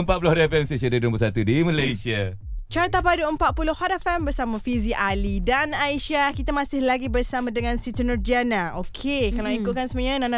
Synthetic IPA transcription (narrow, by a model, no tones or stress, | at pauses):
əmpat̪̚pulohaɾafɛmsesədadŋbəsat̪udiməlajsia | t͡ʃaɾt̪apaduəmpat̪̚pulʊhhadafɛmbərsamãfiziʔalidanajʃiakit̪amãsɪhlaɡibərsamãdəŋãnsit̪ənɔrd͡ʒanaokʰekalaãikʊt̪̚kansəməɲãnana